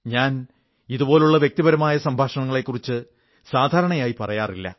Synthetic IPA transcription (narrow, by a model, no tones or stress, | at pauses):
ɲaːn | iðubo̞ːluɭːɐʋjek̚t̪ibɐɾɐmaːjɐsɐmbʱaːʂɐɳɐŋːɐɭe̞kːurit͡ɕːɨ | saːd̪ʱaːɾɐɳɐjaːjipɐrɐjaːrilːɐ̰